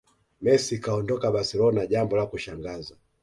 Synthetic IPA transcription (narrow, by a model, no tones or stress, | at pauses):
mɛsikaɔndɔkaɓasɛlɔnaʄambɔlakuʃaŋɡaza